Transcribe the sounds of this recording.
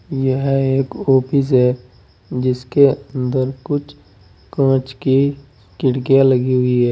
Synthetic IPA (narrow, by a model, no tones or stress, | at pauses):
jəɦeːkoːpɪs̬ɦɛ | d͡ʒɪskeə̃nd̪əɾkʊt͡ʃʰ | kãːt͡ʃki | kɪɽkijalɐɡiɦʊiɦɛː